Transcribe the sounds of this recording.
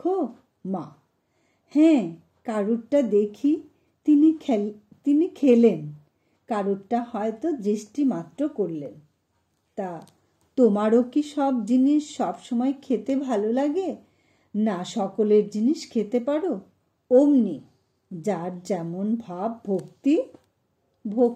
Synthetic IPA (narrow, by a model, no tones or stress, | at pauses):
kʰo | ma | hɛ̃ | kaɾuʈʈad̪ekʰi | t̪ini | t̪inikʰelen | kaɾuʈʈaɦɔet̪od̪ɾiʃʈimat̪ːɾokoɾlen | t̪a | t̪omaɾokiʃɔbd͡ʑiniʃːɔbʃɔmɔekʰet̪ebʱalolaɡe | naʃɔkoleɾd͡ʑiniʃkʰet̪epaɾo | omni | d͡ʑaɾd͡ʑɛmonbʱabːʱok̚t̪i | bʱok